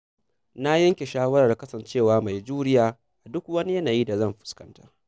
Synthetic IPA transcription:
na˦jɐ˦ŋkʲe˨ʃaː˦wɐ˦ɾa˨rkɐ˦sɐ˨nt͡ʃeː˦˨waː˦ma˨jd͡ʒuː˦ɽɪ˦jaː˨ | ʔa˨dʊ˦kwɐ˦ni˦jɐ˦naː˨jiː˦da˨zɐ˦˨mɸɪ̥˨skɐ˦ntḁ̰˦

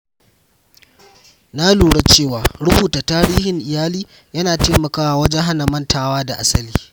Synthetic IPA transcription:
na˦luː˨ɽa˦t͡ʃeː˦˨waː˨ɽʊ˦buː˨taː˨taː˦ɽiː˦hɪ˨ŋʔɪ˨jaː˦liː˦ | jɐ˦naː˨teː˦mɐ˨kaː˦wa˨wɐ˦d͡ʒɛ˦ɦa˦na˨mɐ˦ntaː˨waː˦da˨ʔa˦sɐ˦liː˦

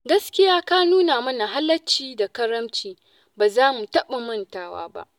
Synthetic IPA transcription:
ɡɐ˦skʲɪ˦jaː˦ka˦nuː˦naː˨mɐ˦na˨ɦa˦lːɐ˦t͡ʃiː˦da˨kɐ˦ɾɐ˦mt͡ʃiː˨ | baː˨zaː˦mu˨tɐ˦ɓa˨mɐ˦ntaː˦wa̰ː˦ba̰˦ʔ

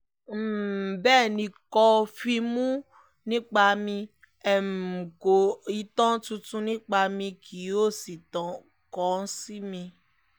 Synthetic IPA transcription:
m̩˨bɛː˦˨nĩ˧kɔ˧fi˧mũ˦ | nĩ˦k͡pa˧mĩ˧ | ɛ˨m̩˨ko˨i˧tɔ̃˦tũ˧tũ˧˦nĩ˦k͡pa˧mĩ˧kʰi˨˦o˦˨si˨tɔ̃˨ | kɔ˨˦n̩˦si˦mĩ˧

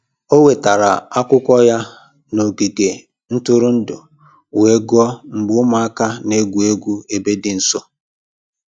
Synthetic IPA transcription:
o˦we˨ta˨ɾa̰˨a˦kʷʊ˦kʷɔ˦ja˦ | no˨ɡi˨ɡe˨ | n̩˦tʊ˦ɾʊ˦n̩˦dʊ˨ | we˨˦ɡɔ˦m̩˨bʊ˦ʊ˦ma˦a˦ka˦ne˦ɡʷu˨e˦ɡʷu˦e˨be˦dɪ˨n̩˨so˦

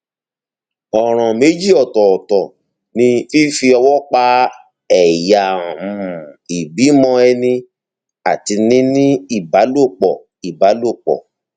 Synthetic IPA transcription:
ɔ˨ɾ̃ã˨me˨˦d͡ʒi˦˨ɔ˨tɔ˨ɔ˨tɔ˨ | nĩ˧fi˦fi˧ɔ˧wɔ˦k͡pa˧ | ɛ˦˨ja˨m̩̃˨i˨bi˨˦mɔ̃˧ɛ˧nĩ˧ | a˨ti˧nĩ˦nĩ˦i˦˨ba˨˦lo˦˨k͡pɔ˨ | i˨ba˨˦lo˦˨k͡pɔ̰˨

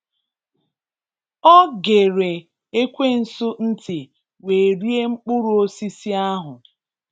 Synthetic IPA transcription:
ɔ˦ɡe˨ɾe˨ | e˦kʷe˦n̩˨sʊ˦n̩˦tɪ˨ | we˨ɾi˦e˦ŋ͡m̩˦k͡pʊ˦ɾʊ˨o˦si˦si˦a˦ɦʊ˨

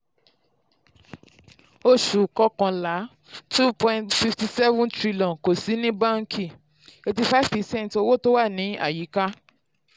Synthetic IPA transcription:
o˧ʃu˨kɔ˧kã˧la˨˦ | tu˦pɔ̃˧ĩ˨ntfi˧fti˧sɛ˦vũ˦ntɾi˧lɔ̃˨nko˨si˨˦nĩ˦bã˦ŋ̩˦kʰi˦˨ | e˧ti˧fa˦˨vpɛ˧˨sɛ̃˦n˨to˧wo˦˨to˦wa˦˨nĩ˨˦a̰˦˨ji˨˦ka˦

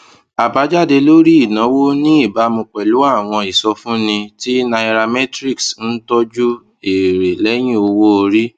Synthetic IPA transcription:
a˨ba˨˦d͡ʒa˦˨de˧lo˦ɾi˦i˦˨nã˨˦wo˦nĩ˦i˦˨ba˨˦mõ˧k͡pɛ˨lu˨˦a˦˨w̃ɔ̃˧i˨sɔ˧fũ˦nĩ˧ti˦nã˧i˧ɾa˧mɛ˦tɾi˦˨ksn̩˦tɔ˦d͡ʒu˦ | e˨ɾe˨lɛ˦j̃ĩ˦o˧wo˦o˧ɾi˦

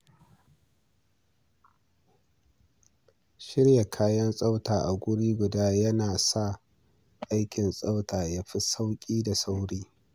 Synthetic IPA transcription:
ʃɪ˦ɽja˨kʰaː˦jɐ˦nsʼa˦wtaː˨ʔa˨ɡʷʊ˦ɽiː˦ɡʷʊ˨daː˦jɐ˦naː˨sa˦ | ʔa˦jkʲɪ˨nsʼa˦wtaː˨ja˦ɸi˦sa˦wkʲʼiː˦da˨sa˦wɽiː˦

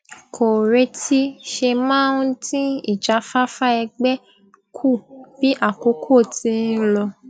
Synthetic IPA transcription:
kʰo˨ɾe˧˦ti˦ʃe˧mãː˦˨˦ũ˦tĩ˦ḭ˦˨d͡ʒa˨˦fa˦fa˦ɛ˧ɡ͡bɛ˦ | kʰu˦˨b̥i˨˦ʔa˦˨ko˨˦kʰo˦˨tĩ˨˧˦lɔ˧

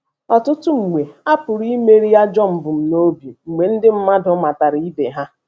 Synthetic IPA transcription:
ɔ˨tʊ˦tʊ˦ŋ͡m̩˨ŋʷe˨a˦pʊ˨ɾi˦me˦ɾi˦ja˦d͡ʒɔ˦˨m̩˨bʊ˨m̩˨no˦bjo˨ŋ͡m̩˨me˨n̩˦dɪ˦m̩˦ma˦dʊ˦ma˨ta˨ɾi˦be˨ɦa˦

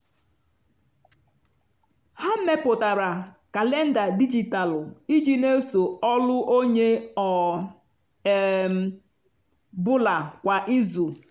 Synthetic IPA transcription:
ha˦m̩˦me˦pʊ˨ta˨ɾa˨ka˨le˦n̩˦da˨di˦d͡ʒi˨ta˨lʊ˨i˦d͡ʒi˦ne˦so˨ɔ˦lʊ˦ʔo˦ɲe˦ɔ˨ | bʊ˦la˨kʷa˨ʔi˦zu˨

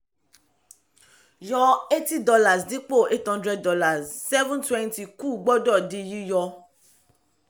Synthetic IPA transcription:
jɔ˧e˦ti˦dɔ˧la˨sdĩ˨˦k͡po˦˨ʔe˦thɔ̃˦ndɾɛ˧d̚ːɔ˧la˨ssɛ˦vũ˦ntwɛ̃˦nti˨ku˦˨ɡ͡bɔ˦dɔ˦˨di˧ji˦jɔ˧

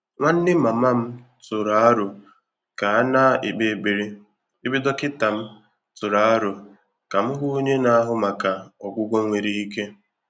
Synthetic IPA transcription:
ŋʷa˦n̩˦dɪ˦ma˨ma˦m̩˦ | tʊ˨ɾa˨˦a˦ɾʊ˨ | ka˨a˦na˦ɪ̰˨k͡pe˨ɡ͡be˨ɾe˦ | i˦bɪ˦dɔ˦kɪ˦ta˨m̩˦ | tʊ˨ɾa˨a˦ɾʊ˨ | ka˨m̩˦ɦʊ˦o˦ɲe˦na˦a˦ɦʊ˦ma˨ka˨ɔ˨ɡʷʊ˦ɡʷɔ˦ŋʷe˨ɾi˨i˦ke˦

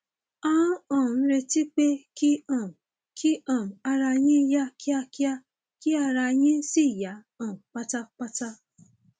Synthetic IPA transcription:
ã˦ɔ̃˨n̩˦ɾe˧ti˦k͡pe˦ki˦ɔ˨m˨ | kʰi˦ɔ̃˨m˨a˦ɾa˧˦ɲĩ˦ja˦kja˦kja˦ | ki˦a˧ɾa˧˦ɲĩ˦si˦˨ja˨˦ | ɔ̃˨m˨k͡pa˦ta˦k͡pa˦ta˦

